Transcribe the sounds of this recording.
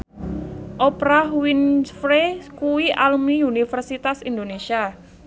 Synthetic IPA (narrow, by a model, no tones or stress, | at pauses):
ʔɔpɾaɦwinsfɾekuwiʔalumiunifərsit̪asind̪onesia